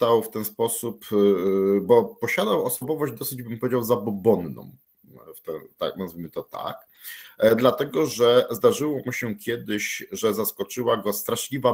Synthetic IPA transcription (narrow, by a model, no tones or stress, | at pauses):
t̪awft̪ɛnspɔsup | bɔpɔɕad̪awɔsɔbɔvɔʑd͡ʑd̪ɔsɘd͡ʑbɘmpɔvʲed͡ʑawzabɔbɔnːɔ̰̃m̃ | ft̪ɛ̰̃t̪a̰knazvʲimɘt̪ɔt̪a̰k | d̪lat̪ɛɡɔʐɛzd̪aʐɘwɔmuɕɛkʲjɛd̪ɘɕʐɛzaskɔt͡ʂɘwaɡɔst̪ɾaʂlʲiva